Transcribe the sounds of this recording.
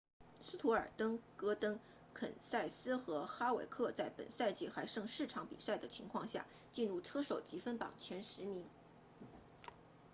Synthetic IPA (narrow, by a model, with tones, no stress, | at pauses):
su˥t̪ʰu˧˥ə̰˞˨˩t̪ɤ˥ŋkɤ˥t̪ɤ˥ŋ | kʰə̰˨˩nsa˥˩ɪsɹ̩˥xɤ˧˥xa˥wḛ˨˩ɪkʰɤ˥˧t͡sa˥˩ɪpə̰˨˩nsa˥˧ɪt͡ɕi˥˩xa˧˥ɪʂɤ˥˧ŋʂɻ̩˥˩ʈ͡ʂʰɑ˧˥ŋpḭ˨˩sa˥˩ɪd̪ə˩t͡ɕʰi˧˥ŋkʰwɑ˥˧ŋɕja̰˥˩ | t͡ɕi˥˧nɻu˥˩ʈ͡ʂʰɤ˥ʂo˨˩ʊt͡ɕi˧˥fə˥npɑ̰˨˩ŋt͡ɕʰjɛ˧˥nʂɻ̩˧˥mi˧˥ŋ